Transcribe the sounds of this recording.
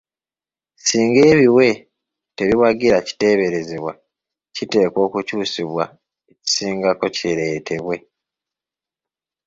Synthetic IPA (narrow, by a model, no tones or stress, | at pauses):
siːŋɡe̞ːβiwe̞ | te̞βiwaɡiɾaci̥te̞ːβe̞ɾe̞zeβwa | cite̞ːko̞ːkucuːsiβwa | eci̥siːŋɡako̞ceɾe̞tʰe̞βwe̞